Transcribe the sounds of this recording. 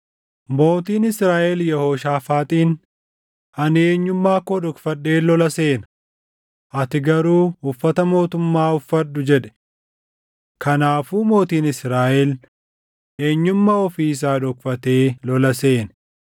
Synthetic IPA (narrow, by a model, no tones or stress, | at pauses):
mo̞ːt̪iːnɪsɾaːʔɛljɛhoːʃaːfaːt̪ʼiːn | ɐneːɲːʊmːaːkoːᶑɔkfɐɗːe̞ːlɔlɐse̞ːnɐ | ʔɐt̪ɪɡɐɾuːʊfːɐt̪ɐmo̞ːt̪ʊmːaːʊfːɐɗːʊd͡ʒɛᶑɛ̥ | kɐnaːfuːmo̞ːt̪iːnɪsɾaːʔɛl | e̞ːɲːʊmːɐɔfiːɪs̬aːd̪ɔkfɐt̪e̞ːlɔlɐse̞ːn